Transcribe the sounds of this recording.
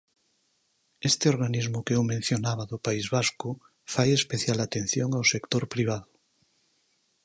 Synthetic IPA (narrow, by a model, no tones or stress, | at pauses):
est̪eoɾɣanizmokeewmẽn̟θjonaβ̞aðopaizβasko | fajespeθjalat̪ẽn̟θjoŋawsekt̪oɾpɾiβ̞aðʊ